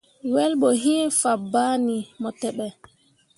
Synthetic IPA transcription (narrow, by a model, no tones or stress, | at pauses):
wɛlɓɔɦinfabaːnimɔtɛɓɛ